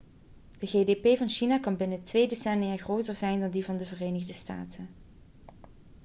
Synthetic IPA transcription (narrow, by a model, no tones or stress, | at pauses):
d̥əɣeːdepejvɑnʃinaːkɑnbɪnətʋejdesɛniaɣrowtərzɛjndɑndivɑndəvərejnəɣdəsta̰ːtən